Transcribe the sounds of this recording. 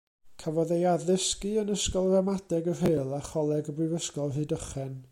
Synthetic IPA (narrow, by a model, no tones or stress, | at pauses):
kʰavɔðejaðəskɨənəskɔlˠramadɛɡər̥eːlˠaχɔlˠɛɡəbrɨvəskɔlˠɦɨːdəχɛn